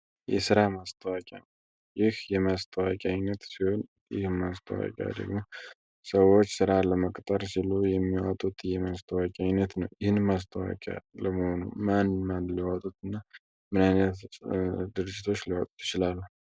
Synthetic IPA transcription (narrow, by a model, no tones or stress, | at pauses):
jɛ̰sɨɾamast̪ʰəwakʼan | jɪhjɛmast̪ʰəwakʼajnət̪sihon | jɪ̰hmas̬t̪ʰə̰wa̰kʲʼa̰d̪ə̰ɡmo | səwːot͡ʃːsɨɾaləməkʼt̪ʼəɾsilujɛmːiwat̪ʼut̪ʰjɛmast̪ʰəwakʲʼajnət̪nəwjɪhɨnmas̬t̪ʰəwa̰kʲʼa̰ləməhonṵmanmanliwat̪ʼut̪ɨnːa | mɨnajnət̪ | d̪ɨɾɨd͡ʒːɪt̪ʰo̞t͡ʃːliwat̪ʼut̪jɪt͡ʃɪlalːu